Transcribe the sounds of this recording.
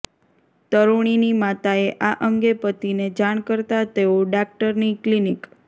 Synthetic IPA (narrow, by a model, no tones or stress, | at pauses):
t̪əɾoɳ̃inimat̪aeʔaʔəŋɡepət̪ined͡ʒaɳ̃kəɾt̪at̪eoɖak̚ʈəɾniklinik